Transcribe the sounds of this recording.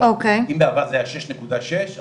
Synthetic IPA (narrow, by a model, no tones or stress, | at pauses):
ʔokejimbeavad̪zeaʃɛʃnekud̪aʃeʃ